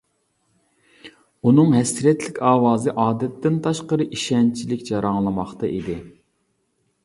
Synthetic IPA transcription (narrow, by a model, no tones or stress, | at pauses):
unɨŋɦɛsɾɛt̪lɪkʲʰɑːwɑːzɨʔɑːd̪ɛt̪ːɪnt̪ʰɑʃqəɾɨʔiʃɛnt͡ʃʰilɪkʲjɑɾɑŋlˠɨmɑχt̪ɑʔḭd̪ɪ